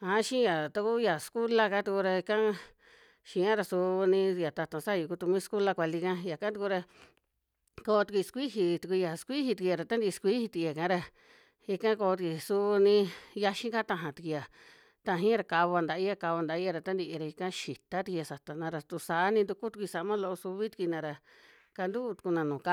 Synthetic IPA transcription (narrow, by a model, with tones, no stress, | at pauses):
a˨˦ʃĩ˦ja˨t̪u˧ku˦ja˨sku˦la˦ka˦t̪u˧ku˧ɾa˧i˧kã˦ | ʃĩ˧˦ã˦ɾa˧su˧nĩ˧a˨t̪a˧t̪õ˨sa˦˧ju˧ku˧t̪u˧mĩ˦sku˦la˧kʷa˧li˧kã˦ja˨kã˦t̪u˧ku˧ɾa˧ | koː˧t̪u˧kʷi˧skʷi˦ɦi˧t̪u˧kʷu˧ja˨skʷi˦hi˧t̪i˧ki˧ja˧ɾa˨t̪a˦nd̪i˧skʷi˦hi˧t̪i˧ki˧ja˨kã˧˦ɾa˧ | i˧kã˦ko˧t̪̬ki˧˨su˧nĩ˧ja˧ʃĩ˦ŋka˦t̪ã˧ɦã˨t̪i˧ki˧ja˨ | t̪ã˧ɦĩ˦ɾa˧˨ka˧βo˧a˧nd̪a˧ʔi˦ja˧ka˧βa˧nd̪a˧i˦ja˧ɾa˨t̪a˦nd̪i˧ʔɾa˧i˧kã˦ʃi˨t̪a˦t̪i˧ki˧a˧sa˨t̪a˨nã˧ɾa˧t̪u˧sa˨˦nĩ˧nd̪u˧ku˦t̪u˧kʷi˧sa˨˧mã˦lo˧o˧su˧βi˦t̪i̥˧kʷi˧nã˧ɾa˨ | ka˧nd̪u˦˧t̪u̥˧ku˧nã˧nũː˨ka˦